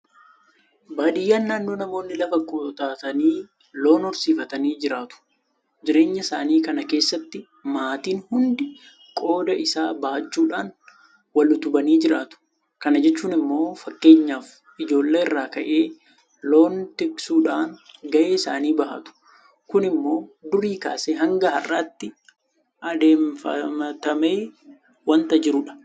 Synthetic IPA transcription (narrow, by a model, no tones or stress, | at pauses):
baːᶑɪjːaːnːaːnːo̞ːnɐmo̞ːnːɪlɐfɐkʼoːt̪aːt̪ɐniː | lo̞ːnɔɾsiːfɐt̪ɐniːd͡ʒɪɾaːt̪ʊ̥ | d͡ʒɪɾe̞ːɲːɐɪsaːniːkɐnɐke̞ːsːɐt̪ːɪ | maːt̪iːnhʊnd̪ɪ | kʼo̞ːd̪ɐʔɪsaːbaːt͡ʃːuːᶑaːn | wɐlʊt̪ʊbɐniːd͡ʒɪɾaːt̪ʊ̥ | kɐnɐd͡ʒɛt͡ʃːuːnɪmːo̞ːfɐkːe̞ːɲːaːf | ɪd͡ʒo̞ːlːeːɪrːaːkɐʔe̞ː | lo̞ːnt̪ɪksuːᶑaːnɡɐʔeːɪsa̰ːniːbɐɦɐ̰t̪ʊ̥ | kʊnɪmːo̞ːd̪ʊɾiːka̰ːseɦɐŋɡɐhɐrːaːt̪ːɪ | ʔɐd̪e̞ːmfɐ̰mɐt̪ɐme̞ː | wɐnt̪ɐd͡ʒɪɾʊᶑɐ̥